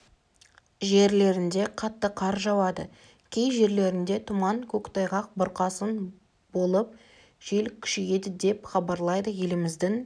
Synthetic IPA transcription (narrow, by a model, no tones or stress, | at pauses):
ʒe̞ɾle̞ɾɪnd̪e̞qʰɑt̪ːəqʰɑɾʒɑwɑd̪ə̰ | kʲʰe̞jʒe̞ɾle̞ɾɪnd̪e̞t̪ʰʊmɑŋkʲʰɵkt̪ʰɑjʁɑq̚bʊɾqɑsən | bo̞lˠəp̚ | ʒ̥elkʲʰʏ̥ʃejed̪ɪd̪e̞pχɑbɑɾlˠɑjd̪əje̞lɪmɪzd̪ɪŋ